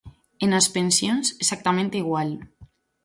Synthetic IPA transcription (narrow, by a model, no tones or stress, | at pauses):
enaspensjonzesak̚t̪amẽnt̪iɣwal